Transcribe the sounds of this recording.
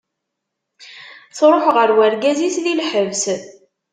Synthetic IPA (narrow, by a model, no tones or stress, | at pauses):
θɾˤoħʁəɾwæɾɡæzisðilħəvs